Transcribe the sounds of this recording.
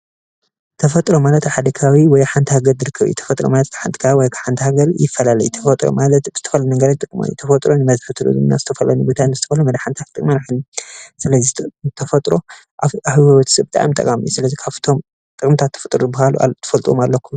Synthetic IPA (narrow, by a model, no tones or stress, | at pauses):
t̪ʰɐfɐt̪ʼɾo̞malɐt̪ħad̪ɐkʰawiwɔjħant̪ʰihaɡɐlzɨɾɨkʰːɐβjṵt̪ʰɐ̥fɐt̪ʼɾomalɐt̪ʰħant̪ʰi̥kʰawiwɔjkʰḁħant̪ʰihaɡɐljɪfːɐlalɐjut̪ʰɐfɐt̪ʼɾo̰malɐt̪bɨz̥ɨt̪ʰɐfɐlnɨŋɡɐɾat̪ʼɨkʼma̰jṵt̪ʰɐfɐt̪ʼɾonɨmɐzħɨt̪ʰɨlṵzɨ̰mna̰z̥ɨt̪ʰɐfɐlɐnubot̪ʰanbɨzɨt̪ʰɐfɐlumɐd̪ħant̪ʰat̪t̪ɨkʼmanħɨlːisɨlɐzit̪ʰɐfɐt̪ʼɾo̞ | ʔaahɨwwɐt̪ʰsɐbɨt̪ʼa̰mit̪ʼɐ̰kʼamijusɨlɐzikʰaβt̪ʰom | t̪ʼɨkʼɨmt̪ʰat̪ʰːɐ̥fɨt̪ʼɾbahaluʔa̰t̪ʰɐ̥fɐlt̪ʼomalːɐkʰːum